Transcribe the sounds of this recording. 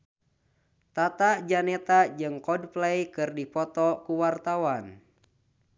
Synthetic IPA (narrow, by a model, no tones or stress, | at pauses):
t̪at̪ad͡ʒanɛt̪ad͡ʒɨŋkɔdplɛjkɨrdipɔt̪ɔkuwart̪awan